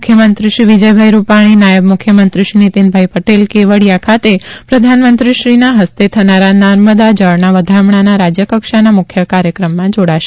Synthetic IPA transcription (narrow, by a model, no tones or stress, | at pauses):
kʰjəmənt̪ɾiʃɾiʋid͡ʒəjbʱajɾupaɽ̃inajəbmukʰjəmənt̪ɾiʃinit̪inbʱajpəʈelkeʋəɽjakʰat̪epɾəd̪ʱanmənt̪ɾiʃɾinaɦəst̪et̪ʰənaɾanəɾməd̪ad͡ʒəɭnaʋəd̪ʱamɳanaɾad͡ʒjəkəkʃanamʊkʰjəkaɾjəkɾəmːãd͡ʒoɽaʃe̥